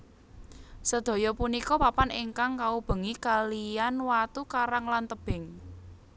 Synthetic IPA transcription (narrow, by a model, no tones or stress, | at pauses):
səd̪̥o̤jɔpunikɔpapanɪŋkaŋkaub̥ə̤ŋikalijanwat̪ukaɾaŋlant̪əb̥ɪ̤ŋ